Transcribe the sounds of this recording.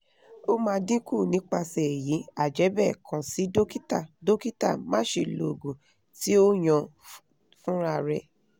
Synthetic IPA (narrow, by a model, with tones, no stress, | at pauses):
o˦mãː˧dĩ˦ku˦˨nĩ˨˦k͡pa˧sɛ˨ji˨˦a˨d͡ʒɛ˨˦bɛ˦˨kʰã˨si˨˦do˦ki˦ta˦˨do˦ki˦ta̰˦˨mãː˦ʃe˧˨lo˨ɡũ˨ | ti˦o˦j̃ã˧ | fũ˦ɾa˧ɾɛ˧